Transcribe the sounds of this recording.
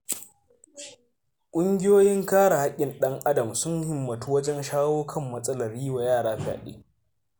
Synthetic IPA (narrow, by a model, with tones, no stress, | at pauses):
kʷʼʊ˦ŋɡʲɪ˦joː˦jɪ˦ŋkaː˦ɽa˨ha˦kʲʼːɪ˨nɗɐ˦ŋʔa˦dɐ˨msʊ˦ŋhɪ˨mːɐ˨tuː˦wɐ˦d͡ʒɛ˦nʃaː˦woː˦kʰɐ˦mːɐ˦sʼɐ˦lɐ˨riː˦wa˨jaː˦˨ɽaː˦ɸɪ˦a̰ː˨ɗḛː˦